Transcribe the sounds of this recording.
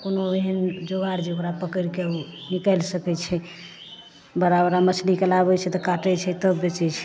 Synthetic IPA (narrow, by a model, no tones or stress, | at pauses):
konoeɦənd͡ʒoɡaɾd͡ʒeukɾapəkəɾkeunikəlsəkɛt͡ʃʰɛ | bəɾabɾamət͡ʃʰlikelabɛt͡ʃʰɛt̪ɔkaʈɛt͡ʃʰɛt̪əbːet͡ʃɛt͡ʃʰɛ̥